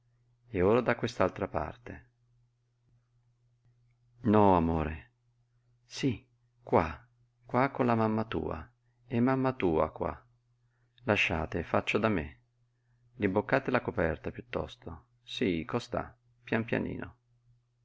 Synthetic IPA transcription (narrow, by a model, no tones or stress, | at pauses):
eoːɾad̪akwest̪alt̪ɾapa̰rt̪e | nɔamoːɾe | si | kwa | kwakːolamamːat̪ṵːa̰ | emːamːat̪uːa̰kwa̰ | laʃːa̰ːt̪efat͡ʃːod̪ame | libokːaːt̪elakopɛ̰rt̪apjut̪ːɔ̰st̪o | sikost̪a̰ | pjampja̰nḭːno̰